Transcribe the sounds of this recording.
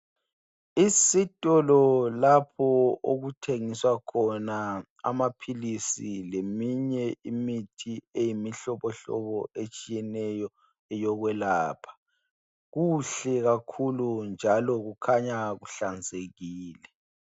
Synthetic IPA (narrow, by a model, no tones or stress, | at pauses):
isitʼɔlɔlapʰɔoɣutʰeŋiswakʰɔna | a̰mapʰilisilemiɲɛimitʰiejimiɬɔβɔɬɔ̰βɔet͡ʃʼijɛnɛjɔ | ɛjɔɣwɛlaːpʰḁ | ɣuɬɛɣakʰulund͡ʒʱalɔɣukʰaɲaɣuɬand͡zʱeɣiːlɛ